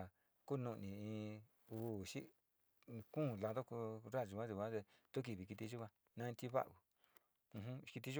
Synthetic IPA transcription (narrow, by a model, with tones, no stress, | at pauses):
ku˦˧nũ˧ʔnĩ˨ĩ˧ | u˦˨ʃi˦˧ | kũ˦˨la˧ðo˦ku˧ɾa˦˨ʒu˧ã˦ʒu˧˨˧ã˦ðe˧t̪u˦k̬i˧˨βi˨˧ki˧t̪i˧ʒu˦ã˧ | nã˦˧ĩ˧t̪ʲi˦βa̰˦ʔu˨ | ũ˧ɦũ˦˧ki˧t̪i˧˦u˦